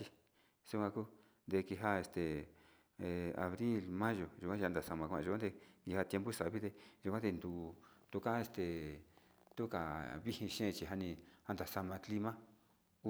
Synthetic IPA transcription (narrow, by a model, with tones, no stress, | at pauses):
t͡ʃi˧ | su˧kʷã˧ku˦ | nd̪e˧ki˧ɦa˦e˧st̪e˨ | e˨˧a̰˨βɾi˦lmã˦ʒo˨ʒu˨kʷã˦˧a˧nd̪a˨sa˧mã˧kʷã̰˧ʒu˧kʷã˦d̪e˧ki˧ha˧t̪je˧mbu˦sa˨βi˦ðe˧ʒu˧kʷã˦d̪e˧nd̪u˧t̪u˧ka˦e˧st̪e˨ | t̪u˦ka˨βi˦hĩ˧ʃẽ˦˧t͡ʃi˧˨ɦa˧nĩ˧a˧nd̪a˨sa˧mã˧kli˧mã˦